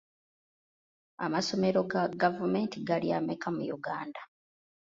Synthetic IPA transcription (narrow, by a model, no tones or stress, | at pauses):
a̰maso̞me̞ɾo̞ɡaɡavumeːntiɡaliamekʰamujṵɡaːnda